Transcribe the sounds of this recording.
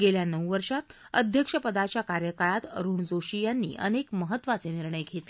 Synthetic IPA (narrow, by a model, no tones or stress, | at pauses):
ɡeljanəwʋəɾʂat̪ | əd̪ʱjəkʂəpəd̪at͡ɕjakaɾjəkaɭat̪ɾuːɳd͡zoɕijanːḭːʔə̰nekməɦət̪ːʋat͡seniɾɳəjɡʱet̪le